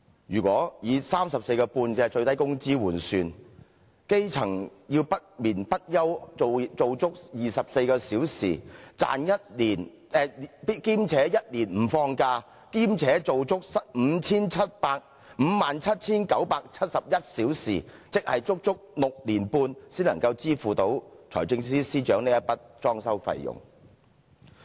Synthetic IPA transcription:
jyː˨˩kʷɔː˨˥jiː˨˧saː˥msɐ˨p̚se˧jkɔː˧puː˧nkɛː˧t͡ʃɵ˧ɥt̪ɐ˥jkʊ˥ŋt͡siː˥wuː˨˩nsyː˨˧n | ke˥jt͡sʰɐ˨˩ŋjiː˧wpɐ˥t̚miː˨˩npɐ˥t̚jɐ˥wt͡so˨˧t͡so˨˧wt͡sʊ˥k̚jiː˨˩sɐ˨p̚se˧jkɔː˧siː˨˥wsḭː˨˩t͡sa̰ː˨njɐ˥t̚liː˨˩n | ɛ˨˧pi˥kiː˥mt͡sʰɛː˨˥jɐ˥t̚liː˨˩nm̩˨˩fɔː˧ŋkaː˧ | kiː˥mt͡sʰɛː˨˥t͡so˨wt͡sʊ˥k̚sɐ˥t̚m̩ː˨˧t͡sʰiː˥nt͡sʰɐ˥t̚paː˧k̚ | m̩˨˧maː˨nt͡sʰɐ˥t̚t͡sʰiː˥nkɐ˨˥wpaː˧k̚t͡sʰɐ˥t̚sɐ˨p̚jɐ˥t̚siː˨˥wsiː˨˩t͡sɪ˥k̚hɐ˨jt͡sʊ˥k̚t͡sʊ˥k̚lʊ˨k̚liː˨˩npuː˧nsiː˥nlɐ˨˩ŋkɐ˧wt͡siː˥fuː˨t̪o˨˥wt͡sʰɔ̰ː˨˩jt͡sɪ˧ŋsiː˥siː˥t͡ʃœː˨˥ŋniː˥jɐ˥t̚pɐ˥t̚t͡ʃɔː˥ŋsɐ˥wfɐ̰˨˧jjʊ̰˨˩ŋ

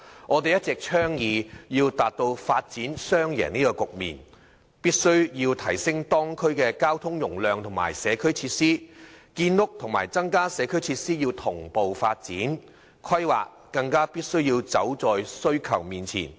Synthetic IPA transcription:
ŋɔː˨˧t̪e˨jɐ˥t̚t͡sɛ˨k̚t͡ʃʰœː˥ŋjiː˨jiː˧wt̪aː˨t̚t̪o˧wfaː˧t̚t͡siː˨˥nsœː˥ŋjɛ̰ː˨˩niː˥kɔː˧kʊ˨k̚mḭː˨˩n | piː˥t̚sɵ˥ɥjiː˧wt̪ʰɐ˨˩jsɪ˥ŋt̪ɔː˥ŋkʰɵ˥ɥkɛː˧kaː˥wt̪ʰʊ˥ŋjʊ˨˩ŋlœː˨ŋt̪ʰʊ˨˩ŋma̰ː˨˩jsɛː˨˧kʰɵ˥ɥt͡sʰiː˧˥t̚siː˥kiː˧nlʊ˥k̚t̪ʰʊ˨˩ŋmaː˨˩jt͡sɐ˥ŋkaː˥sɛː˨˧kʰɵ˥ɥt͡sʰiː˧t̚siː˥jiː˧wt̪ʰʊ˨˩ŋpo˨wfaː˧t̚t͡siː˨˥n | kʰɐ˥jwa̰ː˨k̚ | kːɐ˧ŋkaː˥piː˥t̚sɵ˥ɥjiː˧wt͡sɐ˨˥wt͡sɔː˨jsɵ˥ɥkʰɐ˨˩wmiː˨˩nt͡sʰḭː˨˩n

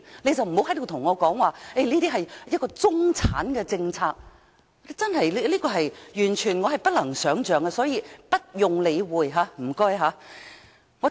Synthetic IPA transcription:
ne˨˧jt͡sɐ˨wm̩˨˩ho˨˥wɦɐ˨˥jt̪o˨˧wt̪ʰʊ˨˩ŋɔː˨˧kɔː˨˥ŋwaː˨˩e˥˩jliː˥t̪iː˥ɦɐ˨jjɐ˥t̚kːɔː˧t͡sʊ˥ŋt͡sʰaː˨˥nkɛː˧t͡sɪ˧ŋt͡sʰaː˧k̚ | t͡sɐ˥nɦɐ˨jli˥liː˥kɔː˧ɦɐ˨jjyː˨˩nt͡ʃʰyː˨˩nŋɔː˨˧hɐ˨jpɐ˥t̚lɐ˨˩ŋsœː˨˥ŋt͡ʃœː˨˧ŋɡɛ˧sɔː˨˥jiː˧pɐ˥t̚jʊ˨ŋle˨˧jwuː˨jɦaː˨˥m̩˨˩kɔː˥jɦaː˨˥ | ŋɔ˨˧

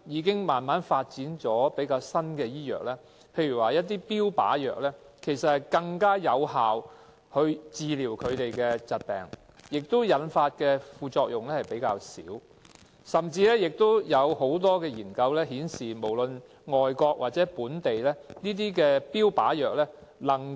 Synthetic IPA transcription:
jiː˨˧˥kɪ˥ŋmaː˨nmaː˨˥nfaː˧t̚t͡siː˨˥nt͡sɔː˨˥pe˨˥jkaː˧wsɐ˥nkɛː˧jiː˥jœ̰ː˨˩k̚lɛː˥ | pʰe˧jyː˨˩waː˨jɐ˥t̚t̪̬iː˥piː˥wpa̰ː˨˥jœ̰ː˨k̚lɛː˥kʰe˨˩jsɐ˨t̚hɐ˨jkɐ˧ŋkaː˥jɐ˨˧whaː˨w | hɵ˧ɥt͡siː˨˧liː˨˩wkʰɵ˨˧ɥt̪e˨jkɛ˧t͡sɐ˨t̚pɛ̰ː˨ŋ | jɪ˨k̚t̪o˥wjɐ˨˥nfaː˧t̚kɛː˧fuː˨˧t͡ʃɔː˧k̚jʊ˨ŋlɛː˥hɐ˨jpe˨˥jkaː˧wsḭː˨˥w | sɐ˨˩mt͡siː˧lɛː˥jɪ˨k̚t̪o˥wjɐ˨˧wɦo˨˥wt̪̬ɔː˥kɛː˧jiː˨˩nkɐ˧wlɛː˥ɦiː˨˥nsiː˨˩mo˨˩wlɵ˨n | ŋɔː˨jkɔː˧k̚wʔaː˨t̚t͡sɛː˨˥puː˨˥nt̪e˨jlɛː˥niː˥t̪̬iː˥kɛː˧piː˥wpa̰ː˨˥jœː˨k̚lɛː˥ | lɐ˨˩ŋ

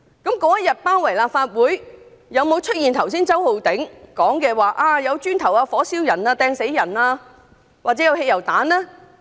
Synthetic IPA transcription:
kɐ˨˥mkɔː˨˥jɐ˥t̚jɐ˨t̚paː˥nwɐ˨˩jlaː˨p̚faː˧t̚wuː˨˥j | jɐ˨˧wmo˨˧wt͡ʃʰɵ˥t̚jiː˨nt̪ʰɐ˨˩ws̬iː˥nt͡sɐ˥who˨˧wt̪ɪ˨˥ŋkɔː˨˥ŋkɛː˧waː˨˩ʔaː˧jɐ˨˧wt͡ʃyː˥nt̪ʰɐ˨˩waː˧fɔː˨˥siː˥wjɐ˨˩naː˧t̪ɛː˧ŋse˨˥jjɐ˨˩naː˧ | waː˨k̚t͡sɛː˨˦˥jɐ˧whe˧jɐ˨˩wt̪aː˨˥nlɛː˥

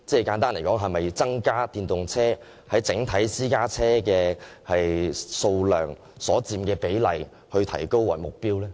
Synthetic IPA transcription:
t͡sɛː˥˩kaː˨˥nt̪aː˥nle˨˩kɔː˨˥ŋɦɐ˨jmɐ˨jt͡sɐ˥ŋkaː˥t̪iː˧nt̪ʊ˨ŋt͡sʰɛː˥ | hɐ˨˥jt͡sɪ˨˥ŋt̪ʰɐ˨˥jsiː˥kaː˥t͡sʰɛː˥kɛː˧hɐ˨jso˧wlœː˨˩ŋ | sɔː˨˥t͡siː˧mkɛː˧pe˨˥jlɐ˨j | hɵ˧ɥt̪ʰɐ˨˩jko˥wːɐ̰˨˩jmʊ˨k̚piː˥wlɛː˥

